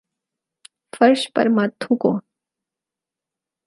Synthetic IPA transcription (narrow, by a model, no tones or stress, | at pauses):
fɐɾʃpɐ̰ɾmat̪ʰːũkõː